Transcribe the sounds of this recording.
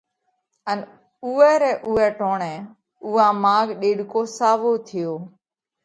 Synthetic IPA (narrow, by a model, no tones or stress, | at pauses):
ən | uːɛːɾɛːʔʊːɛːʈoːɳɛ̃ː | uːãːmaːɡɗeːɽkoːsaːʋoːt̪ʰɪjoː